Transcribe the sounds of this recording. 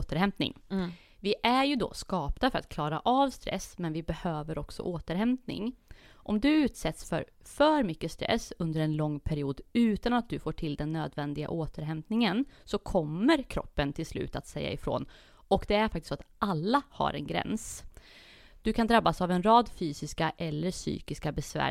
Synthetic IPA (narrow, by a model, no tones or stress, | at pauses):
t̪əɾhɛmp̪nɪ̰ŋ | vɪʔæɾjɵd̪ɔ̰skɑːpnafœɾa̰t̪̚kʰlɑːɾaʔavst̪ɾɛ̰smɛnvɪbɛhøːvəɾɔksɔ̰ʔoːt̪əɾɦɛmt̪nɪ̰ŋʔɔmd̪ɵʉ̟ːt̪sɛt̪sfœ̰ɾ | fœɾmʏkːəst̪ɾɛ̰sɵnd̪əɾɛnlɔŋːpʰæɾɪuːd̪ʉ̟ːt̪anat̪̚d̪ɵfoːʈʰɪld̪ɛnːøːd̪vɛnd̪ɪɡa̰ʔoːt̪ʰəɾɦɛmt̪nɪŋənsɔkʰɔmːəɾkʰɾɔ̰pːənt̪ʰɪlslʉ̟ːt̪at̪sɛjːa̰ɪfɾo̰ːn | ɔkd̪ɛæɾfakt̪ɪ̥stːsoat̪ʔalːaha̰ɾɛ̰nɡɾɛ̰ns | d̪̥ɵkʰand̪ɾabːasavɛnɾɑːd̪fyːsɪskaʔɛlːəʂy̰ːkɪskabɛsvæ̰ː